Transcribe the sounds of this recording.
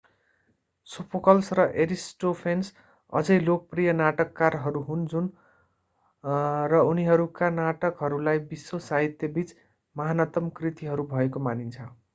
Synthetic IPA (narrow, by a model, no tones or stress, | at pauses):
supʰokʌlsrʌʔeɾisʈopʰens | ʌ̰d͡zʌjlok̚prijʌnaʈʌkːarɦʌɾuɦund͡zun | rʌuniɦʌɾukanaʈʌkɦʌɾulajbisːosaɦit̪jʌbit͡s | mʌɦanʌt̪ʌmkrit̪iɦʌɾubʱʌekomanint͡sʰʌ